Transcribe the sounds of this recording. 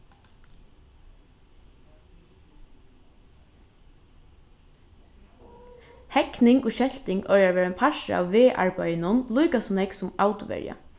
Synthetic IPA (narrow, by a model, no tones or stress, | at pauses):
hɛknɪŋɡoːʃɛlt̪ɪŋœaʋeːɹɛnpʰaʃa̰ːʋʋeːʔa̰ɹbɑjnʊnluːkasɔnɛksʊmaʊt̪ʊʋɛ̰ɹja̰